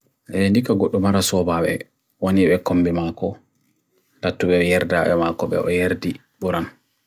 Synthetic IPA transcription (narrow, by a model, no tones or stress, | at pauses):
ʔɛndikaɡoɗːumaɾasɔbaɓɛ̰ | woniɓɛkombimakɔ | d̥atːuɓɛjɛɾdaɓɛ̰makɔɓɛ̰ʔɔjeɾdi | ɓuɾan